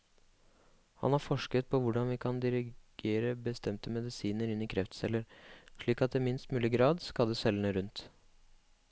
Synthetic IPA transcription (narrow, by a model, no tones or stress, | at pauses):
hɑ̰nhɑɾfɔʂkət̪̚pʰɔʋʊɖɑnʋɪkʰɑnd̪ɪɾɪɡ̥eːɾəbəst̪ɛmt̪əmɛd̪ɪsiːnəɾɪnːɪkʰɾɛft̪sɛlːəɾʂɭiːkɑt̪d̪ɛmɪnst̪mʉːlɪɡɾɑːd̪skɑd̪əsɛlːəɳəɾʉnt̪